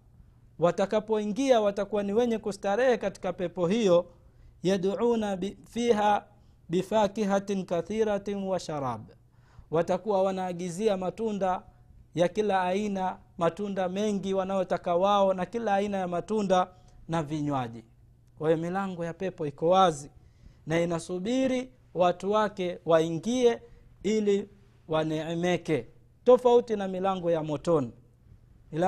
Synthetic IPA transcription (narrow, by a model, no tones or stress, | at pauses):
watakapɔiŋɡiawatakuwaniwɛɲɛkustaɾɛhɛkati̥kapɛpɔɦijɔ | jaɗʕuːnafiːɦa | bifakiɦatnkaθiɾatnwaʃaɾaːb | watakuwawanaːɠiziamatunda | jakilaːina | matundamɛŋɡiwanajɔtakawaɔnakilaːinajamatunda | naviɲwaʄi | kwajɔmilaŋɡɔjapɛpɔikɔwazi | nainasuɓiɾi | watuwakɛwaiŋɡiɛili | wanɛɛmɛkɛ | tɔfautinamilaŋɡɔjamɔtɔni | l